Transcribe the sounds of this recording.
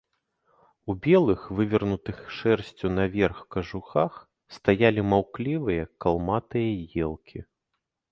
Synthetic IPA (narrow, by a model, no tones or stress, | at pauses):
ubʲɛlˠɨxvɨvʲɐrnut̪ɨxʂɛrsʲt͡sʲunɐvʲɛrxkɐʐuxax | st̪ajalʲimawklʲivɨjɐkalˠmat̪ɨjɐjɛlˠkʲʰi